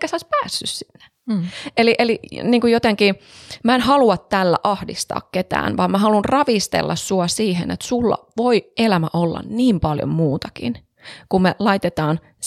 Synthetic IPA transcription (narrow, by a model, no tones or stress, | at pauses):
kːæseoispæːsːyssinːe̥ | eliʔeliniːŋkujot̪eŋki | mæenhɑluɑt̪t̪ælːæ̰ʔɑhdḭst̪ɑ̰ːkket̪æ̰ːnʋɑimmæhɑlunrɑʋist̪ḛlːɑssuɑsiːɦḛnḛt̪sulːɑ̰ʋoiʔelæmæʔolːɑ̰nniːmpɑljo̰mmuːt̪ɑkḭn | kummelɑit̪et̪ɑːn